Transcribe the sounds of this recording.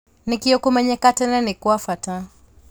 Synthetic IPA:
nikiɔkumɛɲɛkatɛnɛnikuafatã

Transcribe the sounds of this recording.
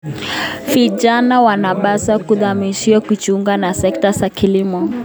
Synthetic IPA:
viʄanawanaɓasakuðamiʃiɔkut͡ʃuŋɡanasɛk̚tasakilimɔ

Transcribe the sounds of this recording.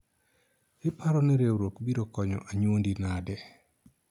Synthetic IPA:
ɪpaɾɔniɾewɾokbiɾokɔɲɔ̰ʔaɲwondinadɛ

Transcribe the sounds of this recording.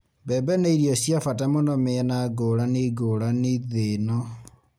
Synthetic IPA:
bɛmbɛneiɾiɔsjafatamonɔmeɛnaɡoɾaniɡoɾaniðenɔ

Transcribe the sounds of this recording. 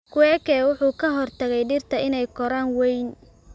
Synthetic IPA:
kʰʊɛːkʰɛːwʊħuːkʰɐɦɔrt̪ʰɐɣɛjɖɪrt̪ʰɐɪnɛjkʰɔɾaːnwɛjn

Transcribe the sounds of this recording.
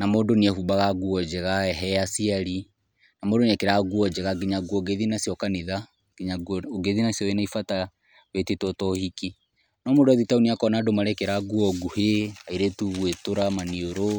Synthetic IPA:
namoːdoniɛhuːbaɣaɡuɔd͡ʒɛɣaɛɦɛasiaɾi | namoːdoniɛkeɾaɡuɔd͡ʒɛɣaɡiɲaɡuɔɡeðinasjɔkaniða | ɡ̥eɲaɡuɔoɡeðinasiɔenaifata | βetitɔtɔhiki | nɔmodoaðitauniakɔnaːdomaɾɛkeɾaɡuɔɡuheaiɾetuβwetoɾamanioɾo

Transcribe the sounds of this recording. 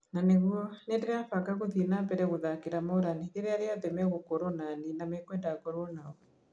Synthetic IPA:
naneɣwɔnɛndeɾɛafakaɣoðinabɛɾɛɣoðakeɾamɔɾanieɾɛaɾeaðɛmɛɣokɔɾɔnaninamɛkwɛndakɔɾɔnaɔ

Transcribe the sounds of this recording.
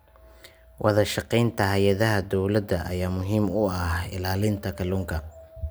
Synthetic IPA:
wʔɑðɐʃɑqɛjnt̪ʰɐɦɐjɐðɐɦɐd̪ɔwlɐd̪ɐʔɐ̰jaːmʊɦimʊɐhɪ̰laːlɪnt̪ʰɐkʰɐluŋkʰɐ

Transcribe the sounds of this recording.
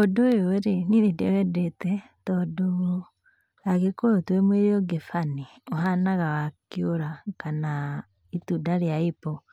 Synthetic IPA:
odojoɾeninedeɛdetɛ | tɔdoɾo | aɣekoɾotwemweɾeoɡefani | oɦanaɣawakjoɾakana | itudaɾeaipɔ

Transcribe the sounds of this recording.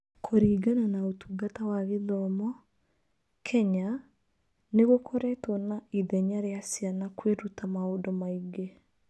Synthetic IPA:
kʰoɾiːɡananaotuɡatawaɣeðɔmɔ | kʰɛɲa | neɣokoɾɛtonaiðɛɲaɾeasjanakweɾutamaoːdomaiɡe

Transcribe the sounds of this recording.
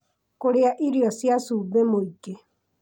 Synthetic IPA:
koɾeaʔiɾjɔsjasuːbemoiɡe

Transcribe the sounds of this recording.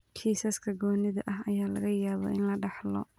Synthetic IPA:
kʰiːsɐskʰɐɡɔːnɪðɐʔɐɦɐjaːlɐɣɐjaːβɔ̰ʔɪnlɐɖɑħlɔ̰

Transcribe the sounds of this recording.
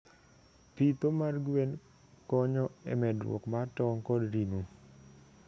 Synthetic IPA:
pit̪omarɡwen | kɔɲɔɛ̰mɛdwɔ̰kmatɔŋkɔdɾinu

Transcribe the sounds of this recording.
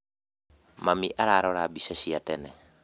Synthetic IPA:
mamiʔaɾaɾɔɾabisasiatɛnɛ

